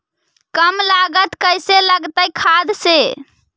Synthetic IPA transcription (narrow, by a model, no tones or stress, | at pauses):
kəmlaɡət̪kəjseləɡt̪əjkʰad̪se